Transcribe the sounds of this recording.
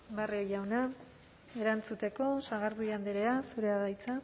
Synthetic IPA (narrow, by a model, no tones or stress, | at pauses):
bariojawna | e̞ɾant͡sut̪e̞ko̞saɣaɾðuiand̪eɾeasuɾe̞aðajt͡sa